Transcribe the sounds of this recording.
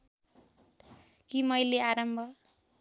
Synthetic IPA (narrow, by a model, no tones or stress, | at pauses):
kimʌjleaɾʌmbʱʌ